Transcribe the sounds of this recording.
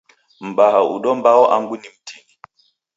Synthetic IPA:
m̩baɦaṵɗɔmbaɔʔaŋɡunim̩tʰini

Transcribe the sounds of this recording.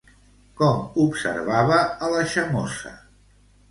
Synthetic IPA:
kɔmupsə̰ɾβaβəːləʃəmɔsə̰

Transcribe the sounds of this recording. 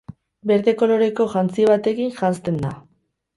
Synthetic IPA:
be̞ɾðeko̞lo̞ɾe̞ko̞ʝant͡siβ̞at̪e̞kinʝanst̪e̞nd̪a

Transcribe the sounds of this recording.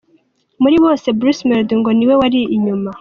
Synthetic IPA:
muɾiβo̞ːse̞bɾusmeɾdŋɡo̞niwe̞waɾiːɲuma

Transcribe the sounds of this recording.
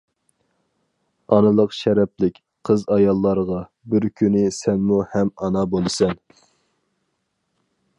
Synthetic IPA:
ɑnɨlˠəqʃɛɾɛplɪkʲ | qʰəzɑjɑlˠːɑɾʁɑ | bɪɾkʲʰynɪsɛnmuhɛmɑnɑbolˠɨsɛn

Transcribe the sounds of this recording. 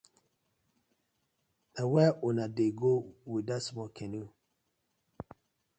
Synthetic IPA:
dawɛʔunadeɡowidasmɔkʰɛnu

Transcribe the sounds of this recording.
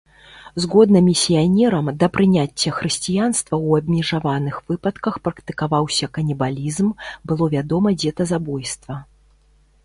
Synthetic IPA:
zɣɔd̪nɨmʲisʲijanʲɛɾɐmd̪ɐpɾɨnʲat͡sʲːɐxɾɨsʲt͡sʲijanst̪vɐwɐbʲmʲɛʐavanɨxv̥ɨpɐt̪kɐxpɾɐkt̪ɨ̥kavawsʲɐkɐnʲɛbalʲizmbɨlˠɔvʲad̪ɔmɐd͡zʲɛt̪ɐzabɔjst̪vɐ

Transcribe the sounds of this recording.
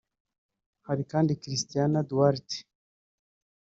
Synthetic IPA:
haɾikaːndikɾist̪ijanaduaɾte̥

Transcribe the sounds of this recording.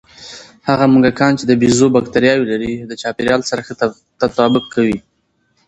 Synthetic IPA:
haɣamuŋɡakɑnt͡ʃed̪əbizobakt̪aɾjɑwilaɾid̪ət͡ʃɑpeɾjɑlsaɾaxə | t̪at̪ɑbʊkʰːawi

